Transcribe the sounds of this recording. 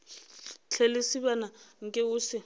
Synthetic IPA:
t͡ɬʰelɪsibanaŋ̩kʼɛʊːsɪ

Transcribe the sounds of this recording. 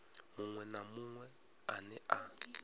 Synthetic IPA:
muŋwɛnamuŋwɛ | anɛʔa

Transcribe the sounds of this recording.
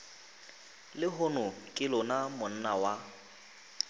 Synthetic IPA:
lɪɦʊnʊkʼɪlʊnamʊn̩nawa

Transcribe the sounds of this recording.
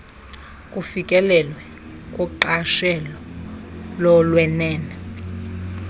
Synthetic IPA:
kʼufikʼɛlɛlwɛ | kʼɔǃaʃɛlɔ | lɔlwɛnɛːnɛ

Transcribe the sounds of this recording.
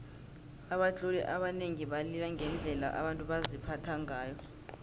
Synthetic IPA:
aɓat͡ɬʼulɛ̰ʔaɓaneŋiɓalilaŋɛnd͡ɮʱɛla̰ʔa̰ɓantʼuɓazipʰatʰaŋʱaːjɔ

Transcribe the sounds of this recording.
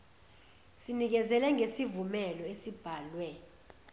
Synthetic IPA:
sinik̬ɛzɛlɛŋɡʱesivumɛlɔesib̥ʱaːlwɛ

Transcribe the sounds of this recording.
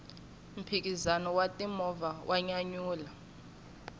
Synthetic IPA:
m̩pʰik̬ʼizanɔwatʼimɔvawʔaɲaɲuːla

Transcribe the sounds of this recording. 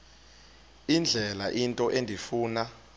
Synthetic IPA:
ind͡ɮʱɛlaʔintʼɔʔendʱifuːna

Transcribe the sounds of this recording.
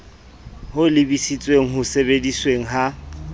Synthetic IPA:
hʊlɪbisit͡sʼweŋ̩ɦʊsebedisweŋ̩ɦa

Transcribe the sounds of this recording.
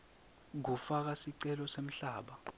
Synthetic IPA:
ɡ̬ufak̬asiǀɛlɔsem̩ɬaːɓa

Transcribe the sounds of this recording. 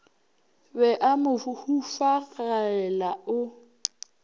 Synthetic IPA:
bɛʔamʊhufaɣaɛlaʊ

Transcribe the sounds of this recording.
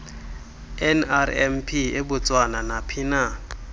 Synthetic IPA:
ɛnarɛmpʰiebʊt͡sʼwananapʰinaː

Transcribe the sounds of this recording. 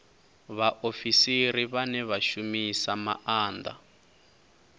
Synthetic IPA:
βaʔofisiɾiβanɛβaʃumisama̰ʔaːnda̰

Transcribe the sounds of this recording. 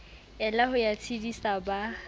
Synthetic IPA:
ɛlahʊjat͡sʰidisaba

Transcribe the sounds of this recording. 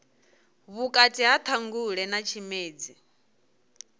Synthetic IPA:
βukʼatʼiɦat̪ʰaŋɡuɺɛnat͡ʃʰimeːd͡zi

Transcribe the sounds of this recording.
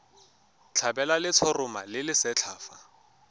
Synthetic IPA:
t͡ɬʰabɛlalɪt͡sʰɔrʊmalɪlɪsɛt͡ɬʰaːfa̰

